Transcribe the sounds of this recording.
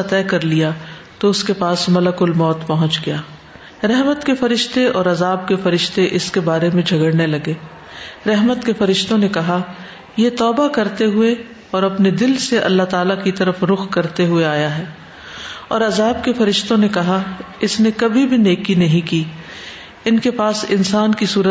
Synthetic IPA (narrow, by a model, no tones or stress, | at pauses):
at̪ɛːkɐɾlijat̪oʊskepaːsmɐləkʊlmɔːt̪pɐɦʊ̃nt͡ʃɡɐjaː | ɾɛɦmət̪kefɐɾɪʃt̪eɔːɾɐzaːb̚kefɐɾɪʃt̪eʔɪskebaːɾemẽd͡ʒʱɐɡəɽnelɐɡeː | ɾɛɦmət̪kefɐɾɪʃt̪õnekɐɦa | jet̪ɔːbakɐɾt̪eɦʊe | ɔːɾɐpned̪ɪlseʔɐ̰lːaɦt̪aːlakit̪ɐɾəfɾʊxkɐɾt̪eɦʊeaːjaɦɛː | ɔːɾɐzaːb̚kefɐɾɪʃt̪õnekɐɦaɪsnekɐbʱibʱineːkːinɐɦĩkiː | ɪnkepaːsɪnsaːnkisuːɾə